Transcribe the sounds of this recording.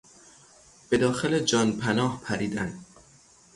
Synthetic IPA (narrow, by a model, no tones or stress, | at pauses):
b̥e̞d̪ɒːxeled͡ʒɒːnpʰænɒːhpʰæɾiːd̪æn